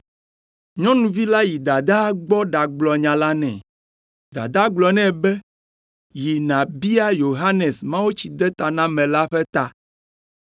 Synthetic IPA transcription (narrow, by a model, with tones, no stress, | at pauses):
ɲɔ̃˦nũ˨vi˦la˦ji˨d̪a˨d̪a˦ɡ͡bɔ˦ɖa˨ɡ͡blɔ˨ɲã˨la˦nɛ̰̃˨ | d̪a̰˨d̪a˦ɡ͡blɔ˨˦nɛ̃˦˨bɛ˦ | ji˨nã˨bi˦a˦jo˨ɦa˦nɛ˨smã˦wo˦t͡ɕi˨d̪ɛ˦t̪a˨nã˦mɛ̃˨la˦ɸɛ˦t̪a˨